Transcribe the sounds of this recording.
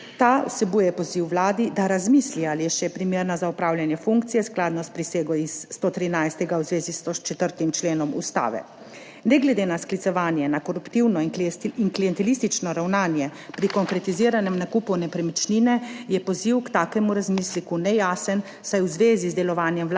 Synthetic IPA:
t̪aːwsɛbuːjɛpɔziwʋlaːd̪id̪aɾazmiːslialijɛʃɛpɾimeːɾnazaupɾaːwljanjɛfuŋk̚t̪sijɛsklaːd̪nɔspɾiseːɡɔisːt̪ot̪ɾinajst̪ɛɡawzʋeːzisot͡ʃɛt̪əɾt̪imt͡ʃleːnɔmṵst̪a̰ːʋɛ̰ | nɛɡlɛd̪eːnasklit̪sɛʋaːnjɛnakɔɾupt̪iwnɔiŋklijɛnt̪ɛlist̪it͡ʃnɔɾawnaːnjɛpɾikɔŋkɾɛt̪iziːɾanɛmnakupunɛpɾɛmit͡ʃninɛjɛpɔziwkt̪aːkɛmuɾazmislikunɛjaːsən | sajwzʋeːzizd̪ɛlɔʋaːnjɛml

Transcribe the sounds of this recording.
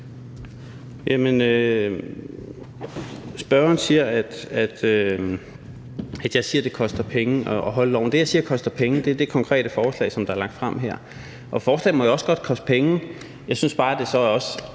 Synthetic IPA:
jæmenø | sb̥ɶɐɐnsiɐæd̥æd̥ø | æd̥jɑ̈ɪsiːɐd̥e̝kʰɒ̽sd̥ɐpʰeŋəɒʔɒɦɒ̽ləlɒ̰ʊ̰nd̥e̝jɑɪsiːɐkʰɒ̽sd̥ɐpʰeŋəd̥eæɐd̥e̝kʰɒ̽ŋkʰʁɛ̰ːɾ̥əfɒːslɛ̰ɪsɒ̽md̥ɑ̈æɐlɑ̈ŋ̰d̥fʁam̰ɦæɐ̰ | ʔɒ̽fɒːslɛ̰ɪmɒjaɒ̽sɡ̥ɒ̽d̥̚kʰɒ̽sd̥ə̥pʰeŋə | jɑ̈ɪsynsb̥ɑ̈ːd̥e̝sɒ̽ɒ̽s

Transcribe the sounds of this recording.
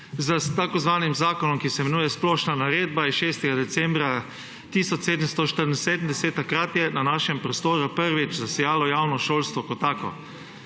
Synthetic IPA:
zət̪akɔzʋaːnimzaːkɔnɔmkisɛmɛnuːjɛsplɔːʃnanaɾeːd̪̚baiʃeːst̪ɛɡad̪ɛt̪sɛmbɾa | t̪iːsɔt͡ʃ̪seːd̪əmst̪ɔʃt̪əɾnseːd̪əmd̪ɛseːt̪ːakɾaːt̪jɛnanaːʃɛmpɾɔst̪oːɾupəɾʋit͡ʃzasɛjaːlɔjawnɔʃoːlst̪ʋɔkɔt̪ːaːkɔ̰

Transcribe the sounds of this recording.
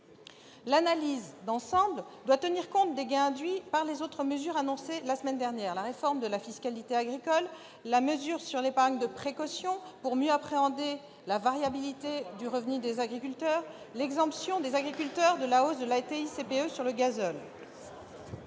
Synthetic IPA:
lanalizd̪ɑ̃sɑ̃bld̪wat̪əniʁkɔ̃t̪̚d̪eɡɛ̃ɛ̃d̪ɥipaʁlezot̪χəməzyʁanɔ̃selasəmɛnd̪ɛʁnjɛʁlaʁefɔʁmd̪əlafiskalit̪eaɡʁikɔlː | aməzyʁsyʁlepaʁŋd̪əpχekɔsjɔ̃puʁmjøapχeɑ̃d̪e | lavaʁjabilit̪ed̪yʁəvnyd̪ezaɡʁikʲylt̪œʁ | lɛɡzɑ̃psjɔ̃d̪ezaɡʁikʲylt̪œʁd̪əlaosd̪əlat̪eisepeøsyʁləɡazɔl

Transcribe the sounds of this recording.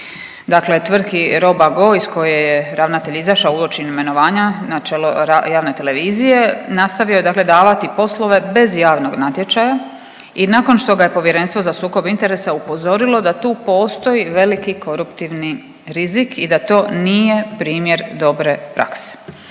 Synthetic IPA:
d̪akle̞t̪ʋr̩d̪kiɾo̞baɡo̞isko̞jejeɾaʋnat̪e̞ʎizaʃaouot͡ʃinime̞no̞ʋaːɲanat͡ʃeloajaːʋne̞t̪e̞le̞ʋiːzije̞nast̪aʋjojed̪akle̞d̪aːʋat̪ipo̞slo̞ʋe̞be̞zjaːʋno̞ɡnat̪jet͡ʃaja | inako̞nʃt̪o̞ɡaje̞po̞ʋjeɾe̞nst̪ʋo̞zasuːko̞bint̪e̞ɾe̞saupo̞zo̞ɾilo̞d̪at̪uːpo̞ːst̪o̞jiʋe̞likiko̞ɾupt̪iʋni | ɾizikʰid̪at̪o̞ːniːje̞pɾiːmje̞ɾd̪o̞bɾe̞pɾa̰kse̥

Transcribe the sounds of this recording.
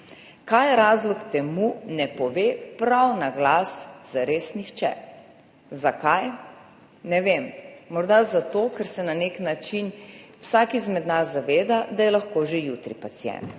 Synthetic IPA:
kajɾaːzlɔkt̪ɛmunɛpɔʋepɾawnaɡlasz̥aɾesnixt͡ʃɛ̰ | zakaj | nɛʋemmɔɾd̪azat̪oːkɛɾsɛnaneknat͡ʃinwsaːkizmɛd̪nazzːaʋeːd̪ad̪ajɛlaxkoːʒejuːt̪ɾḭpat̪sijɛ̰nt̪

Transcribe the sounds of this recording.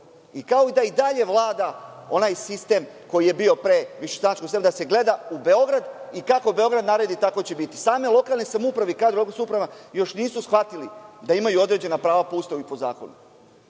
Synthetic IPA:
ikao̞id̪aid̪aʎe̞ʋlˠaːd̪ao̞naːjsist̪e̞m | ko̞jije̞bio̞pɾe̞ʋiʃesanatt͡ʃkosiemad̪ase̞ɡle̞d̪aube̞o̞ɡɾad̪ikako̞be̞o̞ɡɾad̪naɾed̪it̪ako̞t͡ɕe̞bit̪i̥saːme̞lˠo̞kalˠnesamupɾaʋeikaːd̪ɾokosupɾaʋajo̞ʃniːsusxʋat̪ilid̪aimajuo̞d̪ɾe̞d͡ʑe̞napɾaːʋapoust̪ouipo̞za̰ːko̞̰nṵ

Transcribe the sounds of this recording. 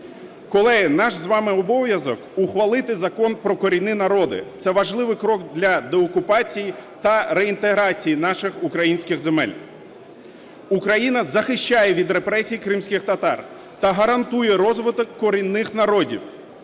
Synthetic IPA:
kɔlˠɛɦɪnɑʒzʋɑmɪɔbɔʋʲjɐzɔkʊxʋɐlˠɪt̪ɪzɐkɔnpɾɔkɔɾʲinɪnɐɾɔd̪ɪ̰t̪sɛʋɐʒlˠɪʋɪkɾɔɡd̪lʲɐd̪eɔkʊpɑt͡sʲijit̪ɐɾeint̪eɦɾɑt͡sʲijinɑʃɪxukɾɐjinʲsʲkɪɣzemɛ̰lʲ | ukɾɐjinɐzɐxɪʃt͡ʃajɛʋʲid̪ɾe̞pɾɛsʲijikɾɪmsʲkʲɪxt̪ɐt̪ɑ̰r | t̪ɐɦɐɾɐnt̪ujɛɾɔzʋɪt̪ɔkːɔɾʲinːɪxnɐɾɔdʲḭw

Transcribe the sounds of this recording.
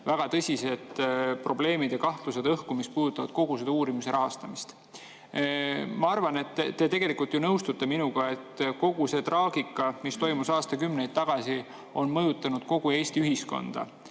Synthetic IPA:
væɡ̥ɑt̪ɤsʲise̞d̪̥pro̞ble̞ːmid̪̥jɑkɑht̪luse̞d̪ɤhkumist̪̚puːd̪ut̪ːˑɑvɑ̰d̪̥̚ko̞ɡ̥used̪ɑuːɾimise̞ɾɑɦɑst̪ɑmist̪ | mɑɑrvɑne̞t̪ːt̪ːe̞t̪e̞ɡ̥e̞likːˑult̪jonɤwst̪ut̪ːeminuɡ̥ɑe̞t̪ːˑko̞ɡ̥use̞t̪rɑːɡ̥ikːˑɑmist̪o̞jmusɑːst̪ɑkymnejd̪̥̚t̪ɑɡ̥ɑsi | o̞nmɤjut̪ːˑɑnud̪̥̚ko̞ɡ̥ue̞ːsʲt̪iyɦisko̞̰nd̪̥ɑ̰

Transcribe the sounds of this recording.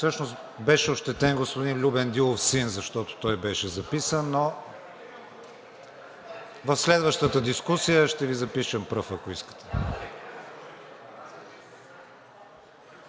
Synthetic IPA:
fsɤʃnos | bɛʃɛoʃt̪ɛt̪ɛnɡospʊd̪inlʲubɛnd̪ilˠofsinzɐʃt̪ɔt̪o̥t̪ɔjbɛʃɛzɐpisənːo | vəfslɛd̪vəʃt̪ət̪əd̪iskusijəʃt̪ɛvizɐpiʃəmpɾɤfɐkoiskə̥t̪ɛ̥

